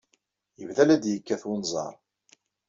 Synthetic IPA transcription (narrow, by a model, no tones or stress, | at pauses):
jəvðælæd̪jəkːæθwinzˤɑ̰ɾˤ